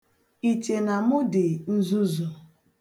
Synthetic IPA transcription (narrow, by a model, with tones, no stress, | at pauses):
i˨te˨na˨mʊ˦dɪ˨n̩˦zu˦zo˨